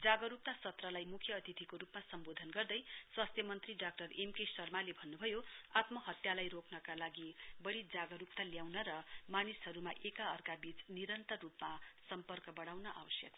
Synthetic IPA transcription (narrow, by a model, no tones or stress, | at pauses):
d͡zaɡʌɾup̚t̪asʌt̪rʌlajmukʰjʌːt̪it̪ʰikoɾupmasʌmbod̪ʱʌnɡʌrd̪ʌjswast̪ʰjʌmʌnt̪riɖak̚ʈʌremkesʌrmalebʱʌnːubʱʌjoat̪mʌɦʌt̪jalajrokʰnʌkalaɡibʌɽid͡zaɡʌɾup̚t̪aljawnʌɾʌmanisɦʌɾumaʔekaʌrkabit͡sniɾʌnt̪ʌrːupmasʌmpʌrkʌbʌɽawnʌʔa̰wʌsjʌ̰k